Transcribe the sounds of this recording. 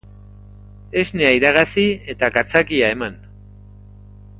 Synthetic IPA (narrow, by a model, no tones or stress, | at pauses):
e̞zneaiɾaɣ̞at͡sie̞t̪akat͡sakiae̞man